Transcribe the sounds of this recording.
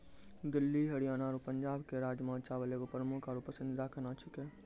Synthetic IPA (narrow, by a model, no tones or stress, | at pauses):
d̪ɪlːiɦəɽijaːnaːɾupəɲd͡ʒaːbkeɾaːd͡ʒmãt͡ʃabəleɡopɾəmʊkʰɔɾupəsɪnd̪ɪd̪akənat͡ʃʰike